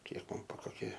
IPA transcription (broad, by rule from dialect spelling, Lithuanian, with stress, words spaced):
ˈkʲiɛk ˈmɐn bʊ koːˈkʲiɛ